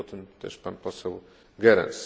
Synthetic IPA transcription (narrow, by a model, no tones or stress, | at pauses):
ɔt̪ɨmt̪ɛ̰ʃpanpɔsɛw | ɡɛɾɛ̰ns